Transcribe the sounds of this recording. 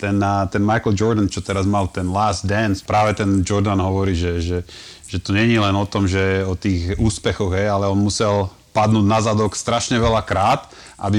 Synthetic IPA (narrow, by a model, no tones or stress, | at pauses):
t̪ɛnt̪ɛnmajkl̩d͡ʒɔɾd̪ənt͡ʃɔt̪ɛɾazmalt̪ɛnlaːzd̪d̪ɛnspɾaːʋɛt̪ɛnd͡ʒɔɾd̪anɦɔʋɔɾiːʒɛʒɛʒ̥ɛt̪ɔɲɛɲilɛnɔt̪ɔmʒɛɔt̪iːɣuːspɛxɔɣɦɛjalɛɔnmusɛl | pad̪nuːdnazad̪ɔkst̪ɾaʃɲɛʋɛlakɾaːt̪ | ʔa̰bi